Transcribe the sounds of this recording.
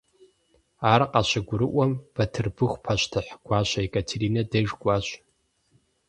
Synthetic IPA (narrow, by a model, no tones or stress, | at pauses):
aːrqʼaɕʷɪɡʷʊɾɨʔʷɐmb̥ɐtʰɨrbɨχʷpʰaʃʷtʰɨħɡ̥ʷaːɕʷaikʼatʰeɾinɐdeʒɡʷʼaɕʷ